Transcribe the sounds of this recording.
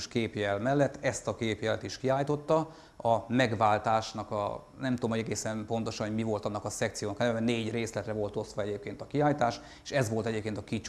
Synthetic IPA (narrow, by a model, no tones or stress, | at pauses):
ʃkeːpjɛlmɛlːɛt̪ːɛst̪ɒkeːpjɛlɛ̰t̪iʃkiaːjt̪o̞t̪ːɒ | ɒmɛɡʋaːlt̪aːʃnɒkɒ̰ | nɛmt̪ud̪omho̞ɟɛɡeːsɛnpo̞nt̪o̞ʃɒnɦoɟmivo̞lt̪ɒnːɒkɒsɛk̚t̪sijoːnɒknɛɛɛneːɟreːslɛt̪rɛvo̞lt̪o̞sʋɒɛɟeːp̚keːnt̪ɒkiaːjt̪aːʃ | eːʃɛzʋo̞lt̪ɛɟeːpkeːnt̪ɒkit͡ʃ